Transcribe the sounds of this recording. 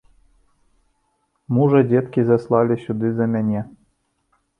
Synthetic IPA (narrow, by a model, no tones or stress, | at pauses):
muʐɐdʲɛt̪kʲizɐslˠɑlʲɪsʲʊd̪ɨzɐmʲanʲɛ